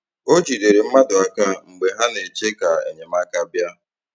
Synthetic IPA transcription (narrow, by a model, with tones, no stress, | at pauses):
o˦d͡ʒi˨de˨ɾe˨m̩˦ma˦dʊ˨a˦ka˦ŋ͡m̩˨ɡ͡be˨ɦa˦ne˨t͡ʃe˦ka˨ḛ˨ɲe˨m̩a˦ka˦bja˦